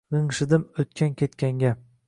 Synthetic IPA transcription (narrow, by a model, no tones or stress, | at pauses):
ʁɨŋʃɪd̪ɪmɵt̪kʲʰankʲe̞t̪kʲaŋɡʲa